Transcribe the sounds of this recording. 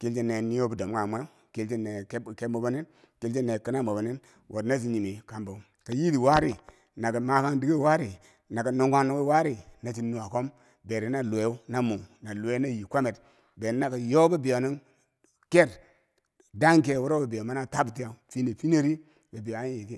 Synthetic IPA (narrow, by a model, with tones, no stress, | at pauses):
ki˦lt͡ʃi˦ne˨ni˦jo˦bu˨do˨m˦ŋa˨mʷe˦ | ki˦lt͡ʃi˦ne˨˦˨ke˦mo˨ba˦ni˦n | ki˦lt͡ʃi˦nːe˨ki˦na˦mo˨ba˨ni˦n | wʔo˨dna˦s̬i˨ɲi˨mi˨ka˨mbo˨˦ | ka˨ji˦di˨wa˦ɾi˨ | na˨ka˨ma˦ka˦ndi˦ɡe˦˨wa˦ɾi˨ | na˨ka˨nu˦ŋɡa˦na˦we˦wa˦ɾi˦na˨t͡ʃi˨nu˨a˨ko˦m | be˨ɾi˨˦na˨lu˨e˨˦u˦na˦mu˨ŋna˨lu˨e˦na˦ji˨kʷa˦me˨t | be˨n˦na˨ka˨jo˦ba˦bi˨ja˨ni˦n | ke˦ɾ | da˦ŋk̬e˦˨wo˦ɾo˦ba˨bi˨jo˨ma˦na˦˨ta˦bti˦ja˨fi˦ne˨fi˦ne˦ɾi˦ | ba˨bi˨ja˨˦i˨ki˦